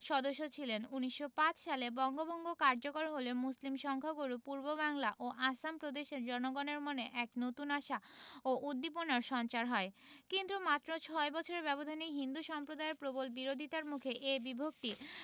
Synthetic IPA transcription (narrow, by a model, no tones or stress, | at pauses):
ʃɔd̪oʃːot͡ɕʰilenuniʃːopat͡ɕʃalebɔŋɡobɔŋɡokaɾd͡ʑokoɾɦolemuslimʃɔŋkʰaɡoɾupuɾbobaŋlaʔoʔasampɾod̪eʃeɾd͡ʑɔnoɡoneɾmoneʔɛknot̪unaʃaoʔud̪ːip̬onaɾʃɔnt͡ɕaɾɦɔekint̪ɾumat̪ːɾot͡ɕʰɔebɔt͡ɕʰoɾeɾbɛbod̪ʱaniɦind̪uʃɔmpɾod̪aeɾpɾobolbiɾod̪ʱit̪aɾmukʰeʔebibʱok̚t̪i